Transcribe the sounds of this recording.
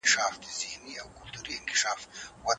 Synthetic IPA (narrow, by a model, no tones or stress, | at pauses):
ɪʃaːfd̪izɪhniawkʊlt̪uːɾiɪŋkɪ̥ʃaːfwɐ